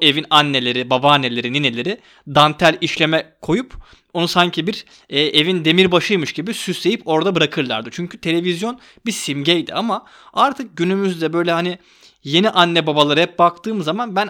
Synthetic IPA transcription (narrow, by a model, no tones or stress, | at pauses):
e̞vinanːe̞lʲe̞ɾibabaːnːe̞lʲe̞ɾininelʲe̞ɾi | d̪ant̪ʰælʲiʃlʲe̞mɛkʰo̞jup | onusaɲcʰibiɾ | ɛːʔe̞vind̪e̞miɾbaʃɯjmɯʃɟibisyse̞jipo̞ɾd̪abɯɾakʰɯɾlˠa̰ɾd̪ɯt͡ʃʰyɲcʰyt̪ʰe̞lʲe̞vizjo̞n | bisimɟɛjd̪ḭama | aɾt̪ʰɯk̚ɟynymyzd̪ɛbø̞jlʲɛhani | je̞niʔanːɛbabalˠaɾɯhɛp̚bakt̪ʰɯːmzamanbæn